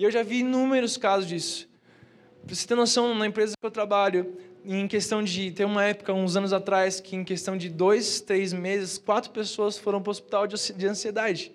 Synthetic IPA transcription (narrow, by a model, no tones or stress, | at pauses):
ewʒaviĩnũmeɾʊskazʊzd͡ʒisʊ̥ʊ̥ | pɾsi̥t̪ẽnosɐ̃w̃nɐẽmpɾezɐkɪewt̪ɾabaʎʊẽj̃kest̪ɐ̃w̃d͡ʒɪt̪ẽũmɐɛpʊ̥kɐũzɐ̃nʊzat̪ɾajskʰɪẽkest̪ɐ̃w̃d͡ʒɪd̪ojst̪ɾejzmezɪskwat̪ɾʊpesoɐsfoɾɐ̃w̃pɾɐospi̥t̪awd͡ʒd͡ʒɪɐ̃sied̪ad͡ʒɪ